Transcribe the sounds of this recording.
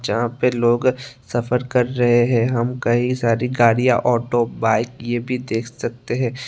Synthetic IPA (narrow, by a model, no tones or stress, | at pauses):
d͡ʒɐɦãpeloːɡsɐfəɾkɐɾːɐɦeɦɛ̃ɦɐmkɐɦisaːɾiɡaːɽijaʔɔːʈobaːɪkjebʱid̪eːkʰsɐk̚t̪eɦɛ̃ː